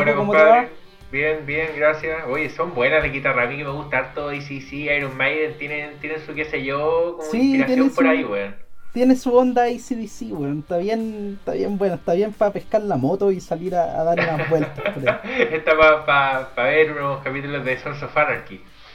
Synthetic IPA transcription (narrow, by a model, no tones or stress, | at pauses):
enkkomot̪aa | bjenbjeŋɡɾasjaojesombwe̞naðeɣit̪aramikemeɣust̪aaɾt̪oisisiajɾommajðent̪jenent̪jenensukeseʝokomsiiat̪jeoespoɾaiβweant̪jenesuond̪aisiðisiβwenot̪aβjent̪a̰βjembwenaet̪aβjempapehkaɾlamot̪oisaliɾaa̰ðaɾunazbwe̞lt̪apoɾaet̪apapapaβeɾunoskapit̪ulozðesonsofanaɾki